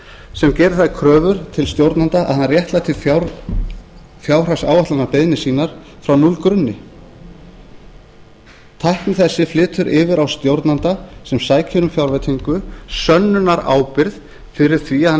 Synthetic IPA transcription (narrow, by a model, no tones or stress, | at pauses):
sɛmcɛːɾɪθaðkʰɾœːvʏɾ̥t̪ʰɪlst̪jowɾt̪nant̪aʔa̰ðhanːaɾjɛht̪lat̪ʰɪlfa | fjaːwr̥asaːwvaht̪lanapeðnɪsiːnaɾ̥fɾawnulkɾʏnːɪ | t̪ʰajhknɪθɛsːɪflɪːt̪ʰʏɾʔɪːvɪɾawst̪jowɾt̪nant̪asɛmsaːjcʰɪɾʏmfjawɾvɛt̪ʰiŋkʏsœnːʏnaɾa̰ːwpɪɾð | fɪɾɪɾ̥θvia